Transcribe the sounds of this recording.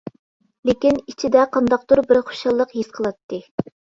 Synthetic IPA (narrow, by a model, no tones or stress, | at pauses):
lekʲinit͡ʃʰid̪ɛqʰɑnd̪ɑq̚d̪uɾbɪɾχo̥ʃɑlˠːəqɦisqʰəlˠɑt̪ːɨ